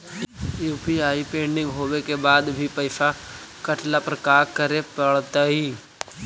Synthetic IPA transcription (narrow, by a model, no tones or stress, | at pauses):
juːpiaːipẽːɳɖɪ̃ŋɡɦoːwekebaːd̪bʱipəɪsakəʈlapɾəkaːɾkəɾepəɽt̪aɦiː